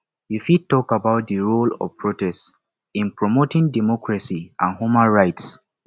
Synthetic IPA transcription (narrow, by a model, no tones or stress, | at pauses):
jufid̚tɔkabaʊt̚ðəɹolɔ̰vpʰɹotɛst | ĩnpɹɔmotĩŋdɛmɔkɹasiʔãnhumãnɹaɪts